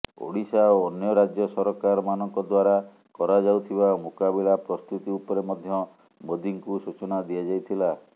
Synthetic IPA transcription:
o̰ɽisaoːnjɔɾad͡ʒjɔsɔɾɔkaɾɔmanɔŋkɔd̪waɾa | kɔɾad͡ʒawt̪ʰibamokabilapɾɔst̪ut̪iupɔɾemɔd̪ʱjɔ | mod̪iŋkusut͡ʃɔnad̪ijad͡ʒajt̪ʰila

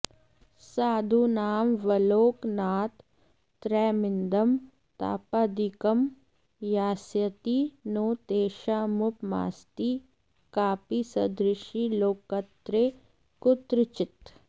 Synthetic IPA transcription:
saːd̪ʱunaːmʋɐloːknaːt̪ː | ɾɛːmɪnd̪ɐm | t̪a̰ːpaːd̪ikɐm | jaːsjɐt̪inoːt̪eːʃaːmʊpma̰ːst̪i | kaːpisɐd̪ɾɪʃiloːkɐt̪ɾeː | kʊt̪ɾɪt͡ʃɪt̪

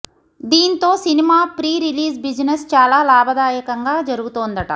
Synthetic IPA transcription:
d̪iːnt̪o̞ːsinimaːpɾiːɾiliːzbid͡ʒnest͡ʃaːlaːlaːbʱɐd̪aːjɐkɐŋɡaːd͡ʒɐɾuɡut̪oːnd̪ɐʈɐ̰

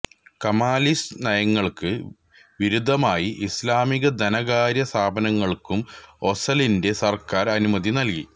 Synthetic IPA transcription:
kɐmaːlisnɐjɐŋːɐɭkɨ | ʋiɾud̪ʱːɐmaːjiʔislaːmiɣɐd̪ʱɐnɐɣaːɾjɐst̪ʰaːbɐnɐŋːɐɭkumo̞sɐlinde̞sɐrkaːɾɐnumɐðinɐlki

